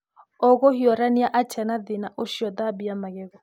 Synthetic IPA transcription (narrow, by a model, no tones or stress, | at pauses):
oɣohiɔɾaniaʔat͡ʃʰɛnaðinaʔoʃiɔðabiamaɣɛɣɔ